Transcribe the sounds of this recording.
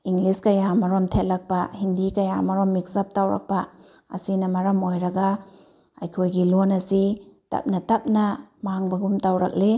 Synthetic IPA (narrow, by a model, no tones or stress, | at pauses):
iŋliskɐjamɐɾomtʰetlɐk̚pɐhindikɐja̰mɐɾomːik̚sɐp̚tawɾɐ̰k̚pɐɐ̰sinɐmɐɾɐmojɾɐɡa | ɐ̰jkʰojɡilonɐsitɐ̰p̚nɐtɐp̚nɐmaŋbɐɡumtawɾɐ̰k̚le